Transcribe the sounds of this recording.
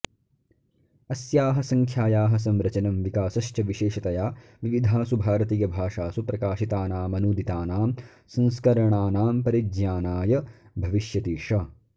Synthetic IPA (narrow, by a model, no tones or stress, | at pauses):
ɐsjaːɦɐsɐŋkʰjaːjaːɦɐs̬ɐmɾɐt͡ʃɐnɐmʋikaːsɐʃt͡ʃɐʋiʃeːʃɐt̪ɐjaːʋiʋid̪ʱaːsubʱaːɾɐt̪ijɐbʱaːʂaːsupɾɐkaːʃit̪aːnaːmɐnuːd̪it̪aːnaːm | sɐ̃nskɐɾɐɳaːnaːmpɐɾid͡ʒjaːnaːjɐbʱɐʋiʃjɐt̪iːʂɐ